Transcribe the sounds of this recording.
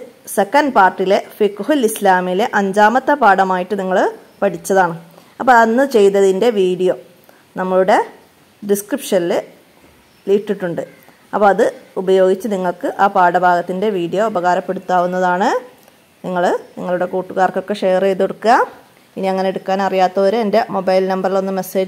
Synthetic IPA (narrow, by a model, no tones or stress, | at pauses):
se̞kːɐnɖpaːrʈːile̞fikːɦilislaːmile̞ʔɐɲd͡ʑaːmɐt̪ːɐpaːɽɐmaːjiʈːɨniŋːɐɭ | pɐʈit͡ɕːɐðaːɳɨ | ɐpːoɐnːɨt͡ɕe̞jnːɐðinde̞ʋiːɽijo̞ː | nɐmːɐɭuɽe̞ | ɖiskripʂɐnilɨ | liːʈːiʈːuɳɖɨ | ɐpːoːɐðɨubɐjo̞ːɡit͡ɕːɨniŋːɐɭkɨʔaːpaːɽɐbʱaːɡɐt̪ːinde̞ʋiːɽijo̞ɐbɐɣaːɾɐpːe̞ɽut̪ːaːʋunːɐðaːɳɨ | niŋːɐɭniŋːɐɭuɽe̞kuːʈːuɣaːrkokːe̞ʂeːrejðoɽukːuɣa | iniɐŋːɐne̞eɽukːaːnɐrijaːt̪ːɐoɾuende̞mo̞bɐjlnɐmbɐrilo̞nːɨme̞se̞ːd͡ʑ